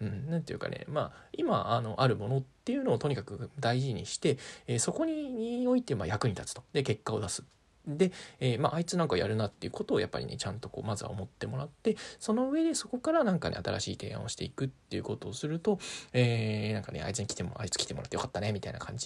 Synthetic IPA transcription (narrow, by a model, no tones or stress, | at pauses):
ɯ̟̃ɴnãnt̪ejɯ̟̰ka̰nḛma̰ima̰ano̞ʔaɾɯ̟mo̞no̞t̪ːe̞jɯ̟no̞ːt̪o̞ɲ̟ikakɯ̟d̪aiʑiɲ̟iɕi̥t̪e̞eːso̞ko̞ɲ̟iɲio̞it̪e̞ma̰jakɯ̟ɲ̟it̪at͡sɨ̥t̪o̞̥d̪e̞ke̞kːao̞d̪asɨ̥ | d̪e̞eːmaʔait͡sɨnãŋkaoja̰ɾɯ̟nat̪ːe̞jɯ̟ko̞t̪o̞ːja̰pːa̰ɾʲḭne̞̰t͡ɕãnt̪o̞ko̞ːmazɨβa̰o̰mo̞t̪ːe̞mo̞ɾat̪ːe̞so̞no̞ɯ̟e̞d̪e̞so̞ko̞kaɾanãŋkanḛat̪aɾʔa̰ɕiːt̪e̞̰ã̰o̞ɕi̥t̪e̞̰ikɯ̟t̪ːe̞jɯ̟ko̞t̪o̞ːsɨɾɯ̟t̪o̞eːnãŋkanḛa̰it͡sɨɲ̟ikʲi̥t̪emo̰a̰it͡sɨ̥kʲi̥t̪emoɾat̪ːjo̞kḁt̪ːane̞mit̪aina̰kʰã̰ɲ̟d͡ʑi